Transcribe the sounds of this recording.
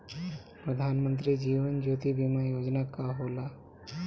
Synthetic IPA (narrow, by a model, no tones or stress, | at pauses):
pɾəd̪ʱanmənt̪ɾiːd͡ʑiːʋənd͡ʑot̪ibʱimajod͡ʑnakaɦola